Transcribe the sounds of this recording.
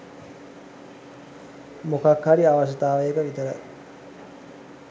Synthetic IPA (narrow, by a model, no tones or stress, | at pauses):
mokakhaɾiaʋaʃət̪aːʋəjəkəʋit̪əɾə